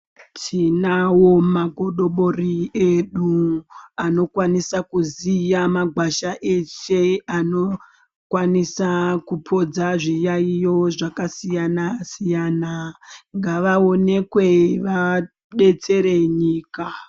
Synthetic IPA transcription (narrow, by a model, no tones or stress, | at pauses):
tʰinawo̞maɡʱo̞ɗo̞ɓo̞rieɗu | ano̞kwanisakuzijamaɡʱwaʃaʔe̞ʃeano̞ | kwanisakupʰo̞d͡zaʐijaijo̞ʐakasijanasijanaŋɡaʋao̞ne̞kwe̞ʋa | ɓe̞t͡se̞ɾe̞ɲiːka